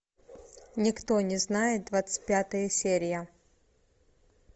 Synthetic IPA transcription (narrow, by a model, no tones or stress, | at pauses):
nʲɪkt̪o̞nʲɪznajɪt̪̚d̪vat̪sɨ̥t̚ʲpʲat̪əjəsʲeɾʲɪjə